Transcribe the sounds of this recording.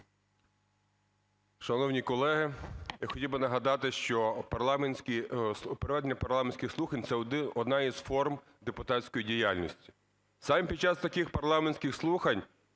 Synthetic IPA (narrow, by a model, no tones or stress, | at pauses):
ʃɐnɔwnʲikɔlˠɛɦɪjaxɔtʲilbɪnɐɦɐd̪ɑt̪ɪʃt͡ʃɔpɐrlˠɑmenʲsʲkʲipeɾeʋɛd̪enʲːɐpɐrlˠɑmenʲsʲkʲɪxslˠuxɐnʲt̪sɛɔd̪ɔd̪nɑizfɔrm | d̪epʊt̪ɑtsʲkɔjidʲijalʲnʲisʲtʲi̥ | sɑmpʲid̪̚t͡ʃɑst̪ɐkixpɐrlˠɑmenʲsʲkʲɪxslˠuxɐnʲ